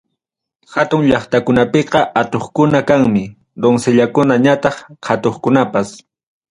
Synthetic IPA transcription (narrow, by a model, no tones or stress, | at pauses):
hat̪ʊŋʎɑχt̪akʊnapeqɑʔat̪oχkʊnakaŋmɪ | d̪oŋseʎakʊnaɲat̪ɑχhat̪oχkʊnapas